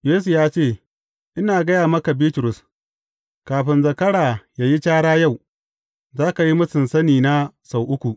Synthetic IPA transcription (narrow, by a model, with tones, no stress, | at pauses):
jeː˦su˨jaː˦t͡ʃeː˦˨ | ʔɪ˦naː˨ɡɐ˦jaː˨mɐ˦ka˨biː˦tʊ˨ɾʊ˨s | kaː˨ɸɪ˦nzɐ˨kɐ˦ɽaː˨jaː˦ji˦t͡ʃaː˦ɽaː˦ja˦˨w | zaː˦ka˨ji˦mʊ˦sɪ˨nsɐ˦niː˨na˦sa˨wʔʊ˦kʷu˨ʔ